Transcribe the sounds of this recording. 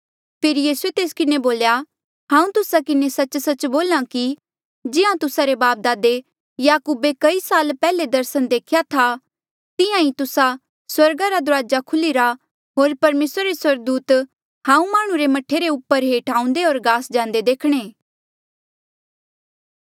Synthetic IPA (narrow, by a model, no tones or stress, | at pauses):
pʰɪɾjiːsuet̪eːskɪneboːlja | ɦãːũt̪ʊsakɪnesɐt͡ʃsɐt͡ʃboːlãki | d͡ʒɪãt̪ʊsaɾebaːp̚d̪aːd̪e | jaːkuːbekɐisaːlpɛːled̪ɐɾsənd̪eːkʰjat̪ʰa | t̪ɪ̃jãit̪ʊsa | swɐɾɡaɾad̪ʊɾaːd͡ʒakʰʊliɾa | ɦoːɾpɐɾmeːsɾaɾeswɐɾɡ̚d̪uːt̪ | hãːũmaːɽ̃ũɾemɐʈʰːeɾeʊpːəɾɦeːʈaːũnd̪eoːɾɡaːsd͡ʒãːnd̪ed̪eːkʰɽ̃eː